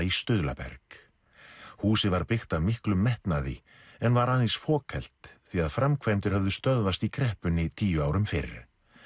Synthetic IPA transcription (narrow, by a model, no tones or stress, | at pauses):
ist̪ʏðla̰pɛ̰ɾ̥k | huːsɪvaɾpɪxt̪avmɪhklʏmːɛht̪naðɪ̰ | ɛnvaɾaːðensfɔːkʰɛl̥t̪θviaðfɾamkʰvajmt̪ɪɾ̥hœvðʏst̪œðvast̪ikʰɾɛhpʏnːɪt̪ʰiːjʏaːwɾʏmfɪɾ